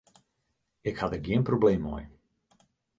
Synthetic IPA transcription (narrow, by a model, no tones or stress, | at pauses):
ɪkhatəɡjiənprobleːmɔ̰j